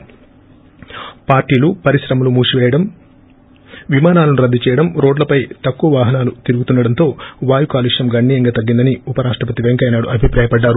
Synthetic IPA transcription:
paːɾʈiːlupɐɾisɾɐmɐlumuːʂiʋɛːjɐɽɐm | ʋimaːnaːlɐnuɾɐd̪ːit͡ʃɛːjɐɽɐmɾo̞ːɖlɐpɐjt̪ɐkːuʋɐʋaːɦɐnaːlut̪iɾuɡut̪unːɐɽɐnt̪o̞ːʋaːjukaːliʂjɐmɡɐɳːiːjɐŋɡaːt̪ɐɡːind̪ɐniupɐɾaːʂʈɾɐpɐt̪iʋeŋkɐjnaːɽuʔɐbʱipɾaːjɐpɐɖːaːɾu

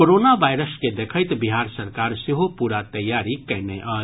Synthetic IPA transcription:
oɾoːnaʋaːɪɾəsked̪eːkʰəɪt̪bɪɦaːɾsɐɾkaːɾsɪɦopuːɾat̪ɐjːaːɾikɛɦneʔə

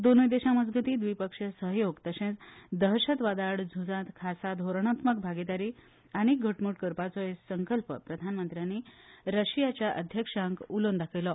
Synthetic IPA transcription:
d̪onujd̪eɕãməd͡zɡʱət̪iːd̪ʋipəkʂəsəɦjoɡt̪əsẽt͡sd̪əɦɕət̪ʋad̪aɽd͡zʱud͡zãt̪kʰasad̪ʱoɾɳ̃at̪mək̚bʱaɡid̪aɾi | aɽ̃iɡʱəʈmuʈkəɾpat͡sɔessəŋkəlpəpɾəd̪ʱanmənt̪ɾjanːiːɾəɕijat͡ɕjaʔəd̪ʱjəkʂãŋkulond̪akʰelɔ

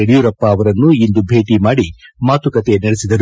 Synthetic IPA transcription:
eɽijuɾɐpːɐːʋɐɾɐnːuind̪ubʱe̞ːʈimaːɽimaːt̪ukɐt̪enɐɽesid̪ɐɾu

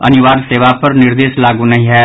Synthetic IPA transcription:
ə̰nʊʋaːɾseːʋaːpəɾnɪɾd̪eːʃlaːɡuːnəɦĩːɦɛː

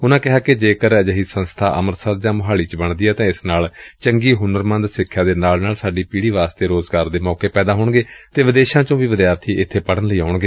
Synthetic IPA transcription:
ʊnãːkɪɦaːkɪd͡ʒeːkəɾd͡ʒəɦiːsənst̪ʰaːʔəməɾsəɾ̚d͡ʒãːmʊɦaːɭiːt͡ʃbəɳd̪iaːt̪ãːɪsnaːlt͡ʃəŋɡiːɦʊnəɾmə̃nd̪sɪkʰːjaːd̪eːnaːlnaːlsaːɖiːpiːɽiːʋaːst̪eːɾoːzɡaːɾd̪eːmɔːkeːpɛːd̪aːɦoːɳɡeːt̪eːʋɪd̪eːʃãːt͡ʃõːʋiːʋəd̪jaːɾt̪ʰiːʔɪt̪ʰːeːpəɽənləiːaːʊɳɡeː

